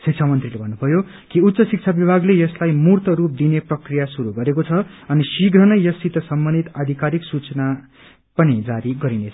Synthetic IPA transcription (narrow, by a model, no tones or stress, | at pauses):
sik̚t͡sʰamʌnt̪rilebʱʌnːupʰʌjo | kiut̪ːsʌsik̚t͡sʰabibʱaɡlejʌslajmurt̪ʌɾup̚d̪ineprʌkrijasuɾuɡʌɾekot͡sʰʌʌnisiɡrʌnʌjjʌsit̪ʌsʌmbʌnd̪ʱit̪ad̪ʱikaɾiksut͡sʌna | pʌnid͡zaɾiɡʌɾinet͡sʰʌ̥